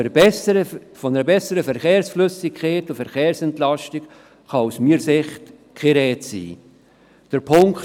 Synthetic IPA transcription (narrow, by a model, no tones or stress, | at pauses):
bɛəəfɔnəɾəbɛsəɾəfɛɾχeːrsfløsɪkχeːtʊfɛɾχeːɾsɛntlɑʃtik | χɑusmiːɾsɪχt | kχeɾɛːtsḭː | d̥əɾpʰʊŋk